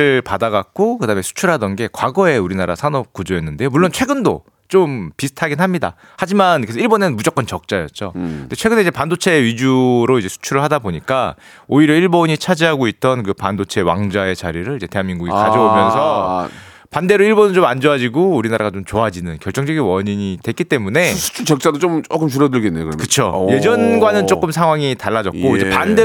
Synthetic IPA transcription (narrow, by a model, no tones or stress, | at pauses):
ɯɭpadaɡak̚k͈okɯdame̞sʰu̥t͡ɕʰuɾɭɦadʌnɡe̞kwaɡʌe̞uɾinaɾa̰sʰanʌp̚k͈od͡ʑoenːɯndeomuɭːont͡ɕʰwe̞ɡɯndo̰ | t͡ɕompisʰɯ̥tʰaɡinɦamɲida̰ | had͡ʑimankesʰiɭbonemud͡ʑʌk͈ʌnt͡ɕʌk̚t͡ɕ͈ajʌt̚t͡ɕ͈oɯnde̞t͡ɕʰwe̞ɡɯneid͡ʑe̞pandot͡ɕʰe̞ɥid͡ʑuɾoid͡ʑe̞sʰu̥t͡ɕʰuɾɯɭhadaboɲik͈a | oiɾjʌiɭboɲit͡ɕʰad͡ʑiɦaɡoit̚t͈ʌnkɯpandot͡ɕʰe̞wa̰ŋd͡ʑae̞t͡ɕa̰ɾiɾɯɾid͡ʑe̞te̞ɦaŋmiŋɡuɡikad͡ʑʌomjʌnsʰʌ | pande̞ɾoiɭbonɯɭt͡ɕomand͡ʑoad͡ʑiɡouɾinaɾaɡat͡ɕomt͡ɕoɦad͡ʑinɯnkjʌɭt͡ɕ͈ʌŋd͡ʑʌɡinwʌɲiɲidwe̞k͈it͈e̞mune̞sʰu̥t͡ɕʰut͡ɕʌk̚t͡ɕ͈adot͡ɕomt͡ɕokɯmt͡ɕuɾʌdɯɭɡenːeokɯɾkɯt͡ɕʰoje̞d͡ʑʌnɡwanɯnt͡ɕ͈ok͈ɯmsʰaŋɦwaŋitaɭːad͡ʑʌk̚k͈oid͡ʑepandde